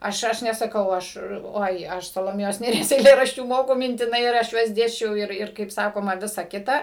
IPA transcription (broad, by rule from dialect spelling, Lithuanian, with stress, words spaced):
ˈɐʃ ˈɐʃ nʲɛsɐˈkɐʊ ˈɐʃ ˈoːɪ ˈɐʃ sɐlˠoːˈmʲeːjoːs nʲeːˈrʲiɛs ɛɪˈlʲeːrɐʃʲt͡ʃʲuː ˈmoːkʊ mʲɪnʲtʲɪˈnɐɪ ɪr ˈɐʃ ˈjuɔs ˈdʲeːsʲt͡ʃʲɛʊ ˈɪr ˈɪr kɐɪp ˈsɑːkoːmɐ ˈʋʲɪsɐ ˈkʲɪtɐ